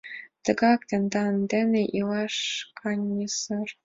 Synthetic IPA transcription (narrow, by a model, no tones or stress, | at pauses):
t̪ɤ̆ɡɑkt̪ʲĕnd̪ɑnd̪ʲɘ̆nʲeʔilɑʂkʰɑnʲːisɤ̆r